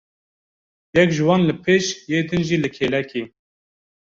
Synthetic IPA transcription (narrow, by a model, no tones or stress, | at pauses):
jɛkʒɨwɑːnlɨpʰeːʃjeːd̪ɨnʒiːlɨkʰeːlɛkiː